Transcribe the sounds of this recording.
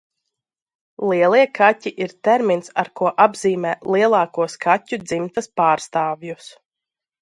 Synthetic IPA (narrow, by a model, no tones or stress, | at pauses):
lˠiɛlˠiɛkʰatʲiʔiɾt̪ɛɾminsaɾkuɔʔabziːmɛːlˠiɛlˠɑːkuɔskʰatʲud̪zimt̪aspaːɾst̪aːvjus